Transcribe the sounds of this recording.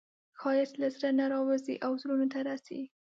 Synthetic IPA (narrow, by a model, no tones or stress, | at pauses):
xɑjat̪lasɾanaɾɑwazḭʔawzɾunot̪aɾasḭ